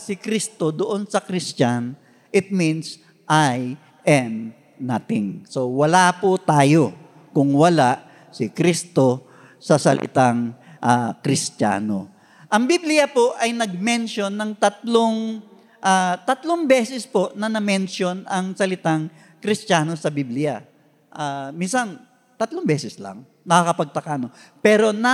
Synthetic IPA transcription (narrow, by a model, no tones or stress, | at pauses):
sɪkɾist̪o̞d̪oʔonsɐkɾɪst͡ʃan | ʔɪt̪̚mins | ʔaj | ʔɛm | naːt̪ɪŋso̞wɐlapʊt̪aːjo̞ | kʊŋwɐlaʔ | sɪkɾist̪o̞ | sɐsɐ̰lʔɪ̰t̪aŋʔakɾɪsta̰ːno̞̰ | ʔɐŋbiblɪjɐpoʔɐjnɐɡ̚mɛnʃjonːɐŋt̪ɐt̪̚loŋ | ʔat̪ɐt̪loŋbɛːsɛspo̞ʔnɐnɐmɛnʃjo̞nɐŋsɐlɪt̪aŋ | kɾɪst͡ʃaːno̞sɐbiblɪja | ʔaːminsɐn | t̪ɐt̪loŋbɛːsɛsla̰ŋ | nɐkakɐpɐɡ̚t̪ɐkaːnopɛːɾo̞nɐ